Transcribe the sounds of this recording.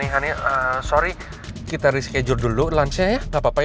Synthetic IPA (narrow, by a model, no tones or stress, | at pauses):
iɦaniəsoɾi | kit̪aɾiskɛd͡ʒʊrdululansajaŋapapa